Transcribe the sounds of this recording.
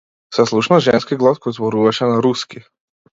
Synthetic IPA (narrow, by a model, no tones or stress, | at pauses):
sɛslˠuʃnaʒɛnskiɡlˠaskɔjzbɔɾuvaʃɛnaɾuski